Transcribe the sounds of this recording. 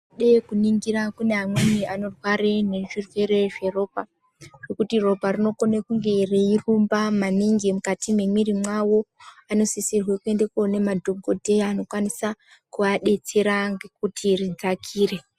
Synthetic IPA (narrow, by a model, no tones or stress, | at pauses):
ɗekuniŋɡiɾakune̞ɦamweniano̞rwaɾene̞ʐirwe̞ɾe̞ʐe̞ro̞ːpa | ʐ̥ekutiro̞parino̞konekuŋɡe̞reirumbamaniŋɡimukatimwe̞mirimwawo̞ano̞sisirwekue̞nde̞kone̞madʱoɡʱodʱe̞ano̞kwanisa | kuaɗe̞t͡se̞ɾaŋɡekutʰirid͡zakʰiːre̞